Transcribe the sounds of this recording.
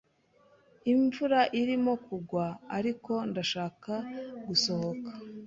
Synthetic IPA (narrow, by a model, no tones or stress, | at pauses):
iɱvuɾaʔiɾimo̞kuɡwaːɾiko̞ndaʃaːkaɡuso̞ho̞kḁ